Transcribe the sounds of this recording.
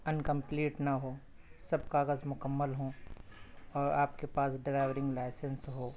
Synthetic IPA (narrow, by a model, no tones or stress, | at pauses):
ɐnkə̃mpliːʈnɐɦoː | sɐbkaːɣəzmʊkəmːəlɦõ | ɔːɾaːp̚kepaːsɖɾaːɪʋɾɪ̃ŋɡlaːɪsə̃nsɦoː